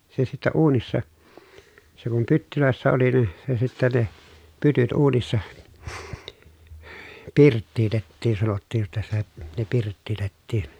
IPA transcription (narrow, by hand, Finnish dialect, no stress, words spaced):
se sitːɛ uːnisːɑ se kum pytːyløˑesːæ oli nin̞ se sitːæ ne pytyt uːnisːɑ pirtːiːtetːiːn sɑnotːiːj jotːɑ sitæ ne pirtːiːtetːiːn